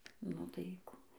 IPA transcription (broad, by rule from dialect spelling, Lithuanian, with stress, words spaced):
nʊ tɐɪ ˈkʊ